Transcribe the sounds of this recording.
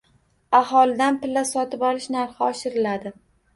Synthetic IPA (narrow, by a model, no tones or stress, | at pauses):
aɦɒlɪd̪anpɪlːasɒt̪ʰɪpɒlɪʃnaɾχaɒʃɪɾɪlad̪ɪ